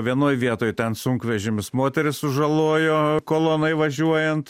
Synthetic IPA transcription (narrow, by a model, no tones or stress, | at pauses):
ʋʲiɛnoːjʋʲiɛt̪oːjt̪ʲɛnsʊŋkʋʲɛʒʲɪmʲɪsmoːt̪ʲɛɾʲɪssʊʒɐlˠoːjoːkoːlˠoːnɐɪʋɐʒʲuɔjɛnt̪